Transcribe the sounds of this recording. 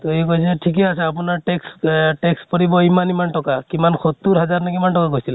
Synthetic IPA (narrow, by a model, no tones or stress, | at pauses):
t̪ɔekojsɛʈʰik̬ɛasɛapunaɹʈeksʈekspɔɹibɔimanimanʈɔkakimankʰot̪ːuɾɦazaɹnakimanʈɔkakojsil